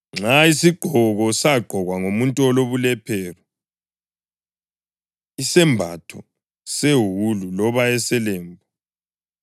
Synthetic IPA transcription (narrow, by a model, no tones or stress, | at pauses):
ŋ͡ǁaisiɡ͡ǃ̥ʱɔɣɔsaɡ͡ǃʱɔɣwaŋomuntʼɔloβulɛpʰɛːrɔ | isɛmbʱa̰tʰɔ | seɦululɔβaɛsɛlɛːmbʱa